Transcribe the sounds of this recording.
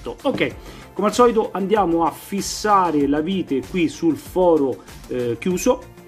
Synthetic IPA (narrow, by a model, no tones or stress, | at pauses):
t̪ookːɛj | komealsɔːlit̪oʔand̪jaːmʊafːisːaːɾɪlaviːt̪ekwisulfɔːɾo | k̟juːso